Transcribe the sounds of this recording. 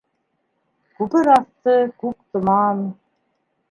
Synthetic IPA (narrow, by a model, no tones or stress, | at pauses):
kʉpɘɾɑθt̪ɤkukt̪ɤ̆mɑːn